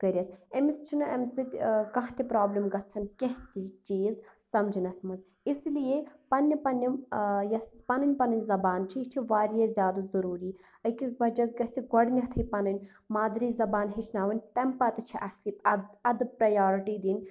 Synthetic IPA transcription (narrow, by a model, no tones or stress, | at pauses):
ɡɐɾʲɐt̪ʰɐmist͡ʃʰinɨʔɐmsɨt̪ʲkɐɦt̪ipɾaːblimɡɐt̪t͡sʰɐnkʲeɦt̪ʲit͡ʃiːz | sɐmd͡ʒinɐsmɐnz | islijepɐnʲːɐpɐnʲːɐmjɐsispɐnɨnʲpɐnɐnʲzɐbaːnt͡ʃʰiit͡ʃʰiʋaːɾijɐzʲjaːd̪ɐzɐɾuːɾiː | ɐkisbɐd͡ʒɐzɡɐt͡sʰiɡɔɽnʲɐɦt̪ʰɨpɐnɐnʲ | maːd̪ɾizɐbaːnɦit͡ʃʰnaːʋɐnʲt̪ɐmpɐt̪t͡ʃʰiʔɐslipɐɐd̪ɨpɾɐjaːɾiʈiːd̪inʲ